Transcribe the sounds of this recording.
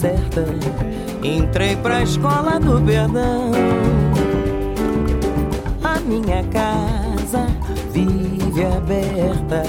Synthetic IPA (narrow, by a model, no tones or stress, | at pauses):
sɛɾt̪ɐ | ẽnt̪ɾejpɾɐiʃkɔlɐd̪ʊpeɾd̪ɐ̃ww̃ | ɐmĩɲɐkazɐ | vivɪabɛɾt̪ɐ